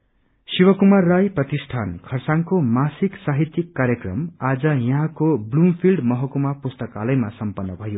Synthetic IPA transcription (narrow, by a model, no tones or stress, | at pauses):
siwʌkumarːajprʌt̪isʈʰankʰʌrsaŋkomasiksaɦit̪jikːaɾjʌkrʌ̰mad͡zʌjʌɦãkoblumpʰilɖmʌɦʌkumapust̪ʌkalʌjmasʌmpʌnːʌbʱʌjo